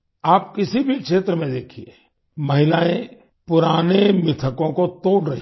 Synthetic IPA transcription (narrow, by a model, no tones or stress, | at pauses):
aːp̚kɪsibʱikʃeːt̪ɾəmẽd̪eːkʰieː | mɐɦɪlaːẽ | pʊɾaːnemɪt̪ʰəkõkot̪oːɽɾɐɦ